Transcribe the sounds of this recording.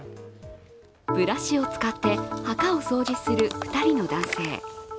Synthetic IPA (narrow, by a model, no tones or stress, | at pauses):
b̥ɯ̟ɾaɕio̞t͡sɨ̥kat̪ːe̞hakao̞so̞ːʑisɨɾɯ̟ɸɯ̟̥t̪aɾʲino̞d̪ãɰ̃se̞ː